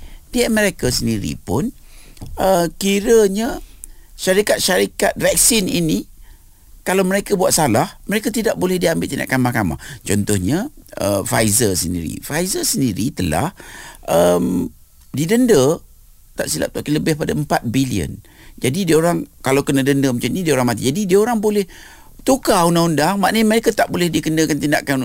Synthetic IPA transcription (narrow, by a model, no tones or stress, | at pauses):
diaʔməɾekasəndiɾḭpʊn | əkiɾəɲa | ʃaɾikat̪̚ʃaɾika̰t̪̚vɛk̚sɪnini | kalawməɾekabuat̪̚salahməɾekat̪idaʔ̚bolɛhdiambɪ̰t̪ʔt̪ina̰ʔkamakama̰t͡ʃɔnt̪ʊhɲaə̰fajzəsəndḭɾḭfajzəsəndiɾit̪əla̰hʔəm | didəndə | t̪aʔsila̰p̚t̪akinləbɪhpadaəmpat̪̚biliə̰n | d͡ʒadidiaoɾaŋkalawkənədəndəmət͡ʃuɲidiaoɾaŋmat̪id͡ʒadidiaoɾaŋbolɛh | t̪ukaunaundaŋmaʔnəɲməɾekat̪aʔbolɛhdikəndəkant̪inda̰ʔkan